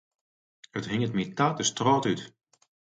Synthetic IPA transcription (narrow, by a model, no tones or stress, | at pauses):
əthɪŋətmitaːtəstrɔːtyt